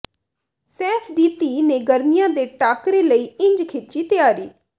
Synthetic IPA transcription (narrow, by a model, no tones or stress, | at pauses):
sɛːpʰd̪iːt̪iːneːɡəɾmɪjãːd̪eːʈaːkɾeːləiːɪ̃ɲd͡ʒkʰɪt͡ʃiːt̪ɪjaːɾiː